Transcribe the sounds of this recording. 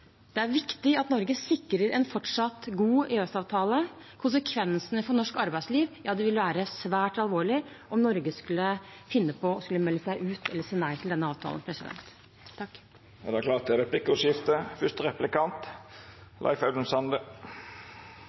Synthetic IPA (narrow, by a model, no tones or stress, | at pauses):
d̪̥ɛæɾʋɪkt̪ɪɑt̪nɔɾɡəsɪkːɾəɾɛnfɔʈʂɑt̪ɡuːeːɛsɑːʋt̪ʰɑːlə | kʰʊnsəkʰʋɛnsənəfɔɳɔʂkɑɾbæɪsliːʋjɑːd̪ɛʋɪlʋæːɾəsʋæːʈɑlʋoːɭɪʔɔmnɔɾɡəskʉlːəfɪnːəpʰɔɔskʉlːəmɛlːəsæɪʔʉːt̪ʰɛlːəʂeːnæɪt̪ʰɪld̪ɛnəɑːʋt̪ʰɑ̰lə̰npʰɾɛsɪd̪ɛ̰nt̪ʰː | d̪ɛækʰlɑːt̪ɛɾɛpʰlɪkːəʉsjɪft̪əfʏt̪əɾɛplɪkɑnt̪ | lɑ̰ɪfæʉd̪ən̩sɑnd̪ə